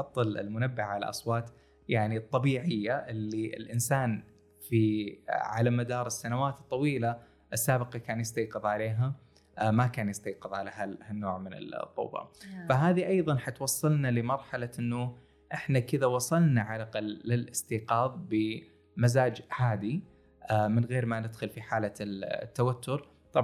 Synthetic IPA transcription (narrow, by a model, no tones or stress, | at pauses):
ħɑt̪ˤːɨlɪ̰lmʊnabːɪʕala̰ʔɑ̰sˤwɑːt̪ˤ | jaʕnit̪ˤːɑbiːʕɪjːaʔɪlːiʔɪ̰lʔɪnsaːn | fiʕa̰lamad̪ɑːɾˤɨsːanawaːt̪t̪ˤːɑwiːla | ʔɪsːaːbɪqɑkaːnjɪst̪ɑjqɨðˤʕaleːɦa | makaːnjɪst̪ɑjqɨðˤʕalahalhanːo̰ːʕmɪnɪ̰lt̪ˤːṵːbɑ̰faɦaːðiʔɑjðˤɑnħat̪wɑsˤːɑlnalɪmɑɾˤħalaʔɪnːʊ | ʔɪħnakɪðawɑsˤɑlnaʕalaqɑlːɪlʔɪst̪iːqɑːðˤbɪ | mazaːd͡ʒʕaːd̪i | ʔmɪnɣeːɾmanɪd̪xʊlfiħaːlat̪ːawat̪ːʊɾ | t̪ˤɑ